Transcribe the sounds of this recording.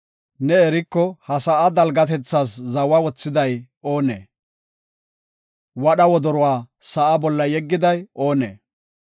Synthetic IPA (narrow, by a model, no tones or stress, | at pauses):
nɛɛɾɪkːɔhɐsɐʔɐd̪ɐlɡɐt̪ɛt͡sːaːszɐwɐwɔt͡sːɪd̪ɐj | o̞ːnḛː | wɐɗɐwɔd̪ɔɾʊwaːsɐʔɐbɔlːɐjɛɡːɪd̪ɐjo̞ːnḛː